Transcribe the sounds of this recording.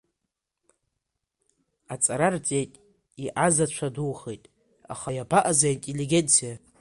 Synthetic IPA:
at͡sʼaɾart͡sʼejtʼ | iʔazat͡ʃʷʰadulχejtʼ | a̰χajabaʔazaintʼelːiɡʲent͡sʰija

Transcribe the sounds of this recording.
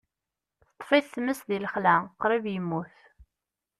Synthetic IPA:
θə̥t̪ˤːfiθθməsðiləχlæqɾˤivjəmːuθ

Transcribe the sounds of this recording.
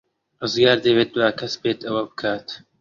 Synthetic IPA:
rɨzɡaːɾd̪ɐweːt̪̚d̪uwaːkʰɐsbeːt̪ɐwɐbɨkʰaːt̪

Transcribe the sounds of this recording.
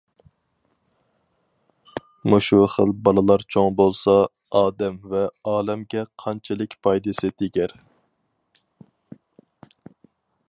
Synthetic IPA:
muʃuχəlbɑlˠɨlˠɑɾt͡ʃʰoŋbolˠsɑ | ɑːd̪ɛmvɛɑːlɛmɡʲɛqʰɑnt͡ʃʰɪlˠɪkʲpʰɑjd̪ɨsɪt̪ʰɪɡʲæɾ

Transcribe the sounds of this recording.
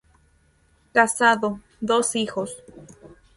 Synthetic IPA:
kasaðo | d̪osixos

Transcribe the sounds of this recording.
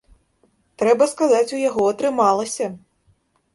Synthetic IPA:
t̪ɾɛbɐskazat͡sʲujaɣɔɐt̪ɾɨmalˠɐsʲɐ

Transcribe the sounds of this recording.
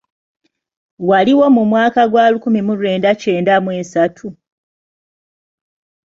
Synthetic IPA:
waliwo̞mumwaːkaɡwaːlukumimuɾe̞ːndace̞ːndamwe̞satʰu

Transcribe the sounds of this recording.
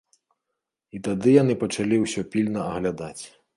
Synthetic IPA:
it̪ad̪ɨjanɨpɐt͡ʂalʲiwsʲɔpʲilʲnɐɐɣlʲad̪at͡sʲ

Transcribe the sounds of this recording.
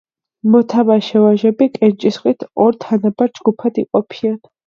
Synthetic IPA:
mɔt̪ʰavaʃɛvaʒɛbikʼɛnt͡ʃʼisχʼit̪ʰɔɾt̪ʰanabaɾd͡ʒɡupʰad̪iqʼɔpʰian

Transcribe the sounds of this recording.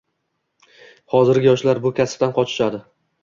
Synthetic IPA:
hɒzɪɾɡʲɪjɒʃlaɾbʊkʲʰasp̚t̪anqʰɒt͡ʃʰɪ̥ʃad̪ɪ

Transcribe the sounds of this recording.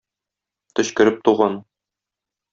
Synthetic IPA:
t̪ɵ̆ɕkɵ̆ɾɘp̚t̪uʁɑn

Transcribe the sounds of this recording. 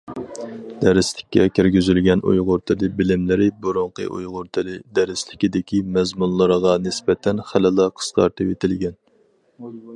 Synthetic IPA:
d̪̥æɾɪslɪkʲːɛ̰kʲʰiɾɡʲyzylɡʲɛnʔṵjʁʊɾt̪ʰɨlɨbɪlɪmlɪɾɪbuɾʊɴqə̰ʔṵjʁʊɾt̪ʰɨlɨd̪æɾɪslɪkʲid̪ɪkʲimɛzmunlˠɨɾʁɑnɪspɛt̪ʰɛnχælɨlˠɑqʰə̥sqɑ̰ɾt̪ʰɨpet̪ɪlɡʲɛn

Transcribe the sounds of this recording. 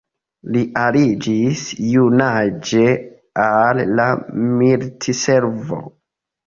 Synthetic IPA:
liʔalid͡ʒisjunad͡ʒe | alːamiltise̞ɾvo̞̰

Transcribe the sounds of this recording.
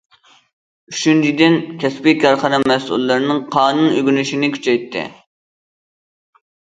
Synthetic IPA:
yʃynt͡ʃʰid̪ɪnkʲʰɛspɪkʲɑɾχəɾɑmɛsṵlˠːɨɾnɨŋqʰɑːnunøɡʲynyʃinɪkʲʰy̥t͡ʃʰɛjt̪ʰːɪ̰

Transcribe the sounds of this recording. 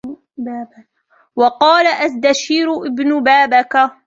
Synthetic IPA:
wɑqɑːlaʔasd̪aʃiːɾʊʔɪbnʊbaːbaka

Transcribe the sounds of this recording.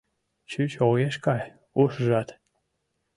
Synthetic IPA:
t͡ɕyt͡ɕojeʃkɑj | uʃʒɑt̪

